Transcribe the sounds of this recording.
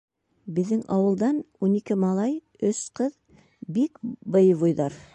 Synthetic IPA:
bɪ̆ðd̪ɪŋʔɑwə̆lˠd̪ɑnwonikʲɪmɑlˠɑj | ɵsqʰəð | bikbɤjvojd̪ɑɾ

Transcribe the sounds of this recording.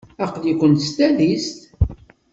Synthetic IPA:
æqlikʷːənt̪st̪æðist̪

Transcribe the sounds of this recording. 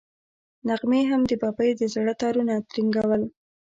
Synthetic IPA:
naɣmeɦamd̪əbɑbəjd̪əzɽət̪ɑɾunat̪ɾiŋɡawəl

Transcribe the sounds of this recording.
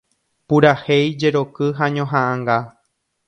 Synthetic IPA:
puɾahe̞jd͡ʒe̞ɾo̞kɨɦaɲõɦãʔãŋɡa

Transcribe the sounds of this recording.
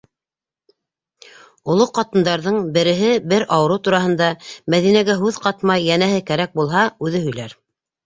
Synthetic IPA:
ŏlˠoqɑt̪ɤ̆nd̪ɑɾðɤɴbɘ̆ɾɘ̆ɦɘbɘɾʔɑwɤ̆ɾɤt̪uɾɑhɤ̆nd̪ɑmæðinæɡæɦʉðqɑt̪mɑjːænæɦɘkæɾæk̚bulˠɦɑʉðɘɦɵ̆jlæɾ

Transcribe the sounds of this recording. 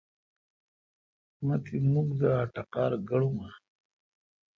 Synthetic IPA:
mat̪ʰimuɡd̪əaʈaqɑːɾɡaɽuma

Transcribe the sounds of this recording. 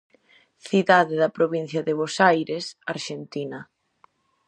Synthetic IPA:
θiðaðɪðɐpɾoβin̟θjɐðɪβosajɾesaɾʃent̪inɐ

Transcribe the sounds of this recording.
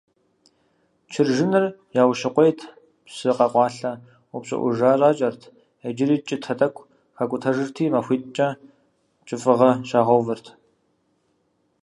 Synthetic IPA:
t͡ʃʰɪrʒɪnɨrjaːwʃɪqʷejtʰ | psɨqɐqʷɑːɬɐ | ʊpɕʼɪ̰ʔʷʊ̰ʒaːraːt͡ʃʼɐrtʰ | ɐd͡ʒɪɾiːt͡ʃʼɪtʰɐtʼɐkʷʼ | xɐkʷʼʊtʰɐʒɨrtʰiːmɐxʷiːtʼt͡ʃʼɐ | t͡ʃʼɪfʼɨʁɐʃaːʁɐwvɨrtʰ

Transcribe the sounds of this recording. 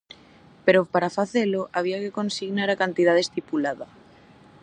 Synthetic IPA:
peɾopaɾafaθeloʔaβ̞iakekonsiɣnaɾakant̪ið̞að̞est̪ipulaða

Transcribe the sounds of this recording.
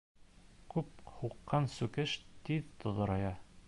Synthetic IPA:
kʉphuqːɑnsʉkɘʃt̪iðt̪ŏðɤ̆ɾɑjɑ

